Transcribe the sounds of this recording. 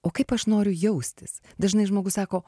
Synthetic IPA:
oːkɐɪpɐʃnoːɾʲʊjɛʊsʲt̪ʲɪs | d̪ɐʒnɐɪʒmoːɡʊssɑːkoː

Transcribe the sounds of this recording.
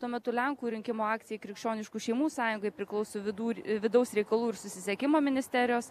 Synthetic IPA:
t̪uɔmʲɛt̪ʊlʲɛŋkuːɾʲɪŋʲkʲɪmoːɑːkt̪sʲɪjɛɪkɾʲɪkʃʲt͡ʃʲoːnʲɪʃkuːʃʲɛɪmuːsɑːjʊŋɡɐɪpʲɾʲɪklˠɒʊsoːʋʲɪd̪uːʋʲɪd̪ɐʊsɾʲɛɪkɐlˠuːɪɾsʊsʲɪsʲɛkʲɪmoːmʲɪnʲɪsʲt̪ʲæɾʲɪjoːs

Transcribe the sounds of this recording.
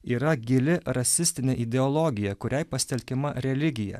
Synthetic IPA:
iːɾɐɡʲɪlʲɪɾɐsʲɪsʲt̪ʲɪnʲeʔɪd̪ʲɛɔlˠoɡʲɪjɛkʊɾʲɛɪpɐsʲt̪ʲɛlʲkʲɪmɐɾʲɛlʲɪɡʲɪjɛ̰

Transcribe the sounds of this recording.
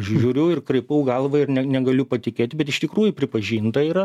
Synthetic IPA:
ʃʒʒʲuːɾʲʊɪrkɾɐɪpɐʊɡɐlˠʋɐɪrnʲɛnʲɛɡɐlʲʊpɐt̪ʲɪkʲeːt̪ʲɪbʲɛt̪ɪʃt̪ʲɪkɾuːjʊpʲɾʲɪpɐʒʲiːnt̪ɐɪɾɐ

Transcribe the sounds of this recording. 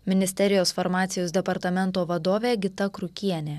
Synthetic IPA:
mʲɪnʲɪsʲt̪ʲɛɾʲɪjoːsfɐɾmɑːt̪sʲɪjoːsd̪ʲɛpɐɾt̪ɐmʲɛnˑt̪oːʋɐd̪oːʋʲeːɡʲɪt̪ɐkɾʊkʲiɛnʲeː

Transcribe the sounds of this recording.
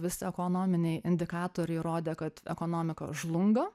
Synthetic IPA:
ʋʲɪsʲɪɛkoːnoːmʲɪnʲɛɪʔɪnʲd̪ʲɪkɑːt̪oːɾʲɛɪɾoːd̪ʲeːkɐt̪ɛ̰koːnoːmʲɪkɐ̰ʒlˠʊŋɡɐ

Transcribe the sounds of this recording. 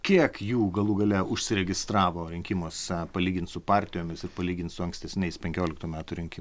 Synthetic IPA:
kʲiɛkjuːɡɐlˠuːɡɐlʲɛʊʃʲsʲɪɾʲɛɡʲɪst̪ɾɑːʋoːɾʲɪŋʲkʲɪmoːspɐlʲiːɡʲɪnt̪sʊpɑːɾʲt̪ʲɪjoːmʲɪsɪrpɐlʲiːɡʲɪnt̪sʊɐŋksʲt̪ʲɛsʲnʲɛɪspʲɛŋʲkʲoːlʲɪkt̪uːmʲæːt̪ʊɾʲɪŋʲkʲɪ

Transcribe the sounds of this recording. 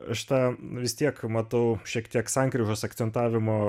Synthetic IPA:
ɐʃt̪ɑːʋʲɪst̪ʲiɛkmɐt̪ɐʊʃʲiɛkt̪ʲiɛksɑŋkɾʲɪʒoːsɐkt̪sʲɛnt̪ɑːʋʲɪmoː

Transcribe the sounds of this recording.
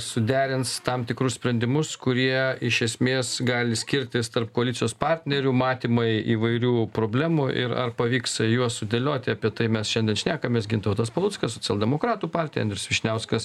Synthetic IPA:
sʊd̪ʲæːɾʲɪnst̪ɐmt̪ʲɪkɾʊssʲpʲɾʲɛnʲd̪ʲɪmʊskʊɾʲiɛɪʃʲɛsʲmʲeːsɡɑːlʲɪsʲkʲɪɾʲt̪ʲɪst̪ɐrp̚koːɐlʲɪt͡s̪ʲɪjoːspɑɾʲt̪ʲnʲɛɾʲumɑːt̪ʲiːmɐɪiːʋɐɪɾʲuːpɾoːbʲlʲæːmuʔɪ̰ɾɐ̰rpɐʋʲiːksjuɔssʊd̪ʲelʲoːt̪ʲɪɐpʲiɛt̪ɐɪmʲɛsʃʲɛnʲd̪ʲɛnʃʲnʲæːkɐmʲeːs̬ɡʲɪnt̪ɐʋʊt̪ɐspɐlˠʊtskɐsoːt͡sʲɪɛlˠdʲɛmoːkɾɑːt̪uːpɑːrʲt̪ʲɪjɛ̰ɐnd̪ʲsʋʲɪʃʲnʲɛʊskɐs

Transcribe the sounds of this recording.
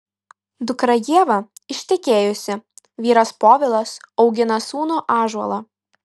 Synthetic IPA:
d̪ʊkɾɐjiɛʋɐɪʃʲt̪ʲɪkʲeːjʊsʲɪ | ʋʲiːɾɐspoːʋʲɪlˠɐsɒʊɡʲɪnɐsuːnoːʔɑːʒɐ̰lˠɑː

